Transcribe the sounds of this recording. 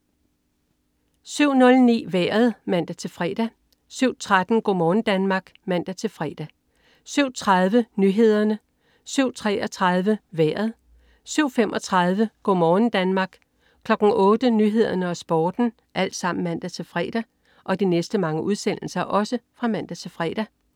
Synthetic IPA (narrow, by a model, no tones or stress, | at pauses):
syʊ̰nɔ̽lnḭːʋæːɐð̞ˠmæn̰d̥æt͡sʰe̝lfʁɛ̰ːd̥æ | syʊ̰t͡sʰʁad̥n̩ɡ̥ɔ̰mɒːn̩d̥ænmɑ̈ːɡ̥mæn̰d̥æt͡sʰe̝lfʁɛ̰ːd̥æ | syʊ̰t͡sʰʁað̞ˠʋənyːɦe̝ð̞̰ˠɐnə | syʊ̰t͡sʰʁɛ̰ɒt͡sʰʁɑð̞ˠʋəʋæːɐð̩ˠ | syʊ̰femʔɒ̽t͡sʰʁɑ̈ðˠʋəɡ̥ɔ̰mɒːn̩d̥ænmɑ̈ːɡ̥ | kʰlɒ̽ɡ̥n̩ʔɔːd̥ənyɦe̝ð̞ˠɐnəɒ̽sb̥ɒːd̥n̩ | ʔæl̰d̥sɑ̈m̰n̩mæn̰d̥æt͡sʰe̝lfʁɛ̰ːd̥æ | ʔɒ̽d̥inesd̥əmɑ̈ŋəʔuð̞ˠsen̰l̩sɐʔɒ̽səfʁɑ̈mæn̰d̥æt͡sʰe̝lfʁɛ̰ːd̥æ